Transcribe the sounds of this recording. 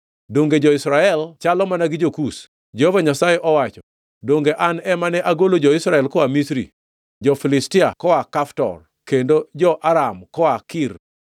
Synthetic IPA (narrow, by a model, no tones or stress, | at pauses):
doŋɡed͡ʒɔisɾaɛlt͡ʃalɔmanaɡɪd͡ʒokus | d͡ʒohovaɲasajeʔɔwat͡ʃɔ | doŋɡeʔanɛmanɛʔaɡolod͡ʒɔɪsɾaɛlkɔamisɾḭ | d͡ʒɔfilɪstɪa̰kɔakaftɔ̰r | kendod͡ʒɔʔaɾamkɔakir